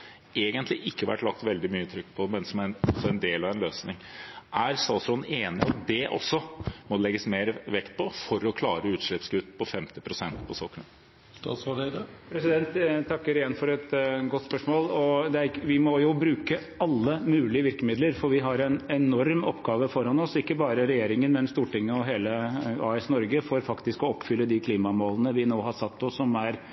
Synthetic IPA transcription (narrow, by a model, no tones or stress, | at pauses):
eːɡənt̪lɪʔɪkːəʋæ̰ʈlɑk̚t̪ʋɛld̪ɪmyːət̪ʰɾʏkːpʰɔmɛnsɔmæɔsɔɛnd̪eːlɑʋɛnløːsnɪŋʔæɾst̪ɑːsɾɔneːnɪ̰ɑ̰t̪̚d̪ɛʔɔ̰sːɔmɔlɛɡːəsmeːɾʋɛkt̪̚pʰɔfɔɾɔkʰlɑːɾəʉːt̪ʂɭɪpsɡʉt̪ːpʰɔfɛmt̪ɪpʰɾʊsɛnt̪pʰɔsɔkːɳə | st̪ɑ̰sɑpʰɾɛsɪd̪ɛnt̪ʰːɑkːəɾɪjɛnːfɔɾɛt̪ɡɔt̪ːspœʂmoːlɔd̪ɛæɾʋɪmɔjʊbɾʉːkə | ɑlːəmʉːlɪəʋɪɾkəmɪd̪ləɾfɔɾʋɪɦɑɾɛnɛnɔɾmɔpːɡɑːʋəfɔɾhɑnɔsɪkːəbɑːɾəɾɛjeːɾɪŋənmɛnst̪uːʈɪŋːəɔɦeːləɑ̰ːɛsnɔɾɡəfɔɾfɑkt̪ɪskɔɔpːfʏlːəd̪ɪkʰliːmɑmoːlənəʋɪnoːɦɑsɑt̪ːɔsɔmæɾ